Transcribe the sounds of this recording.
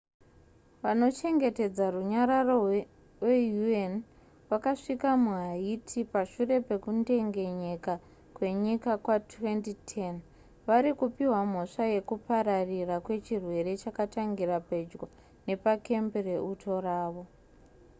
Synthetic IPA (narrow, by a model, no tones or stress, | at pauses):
ʋano̞t͡ʃe̞ŋɡe̞te̞d͡zaruɲaɾaro | wejuen | ʋakaʂikamuɦaitʰipaʂure̞pe̞kunde̞ŋɡe̞ɲeka | kwe̞ɲikakwatwe̞ntitʰen | ʋaɾikupiɦwam̤o̞ʂaje̞kupaɾarirakwe̞t͡ʃirwe̞ɾe̞t͡ʃakataŋɡirape̞d͡ʒɡo | ne̞pake̞mbereʔutʰo̞raːʋo̞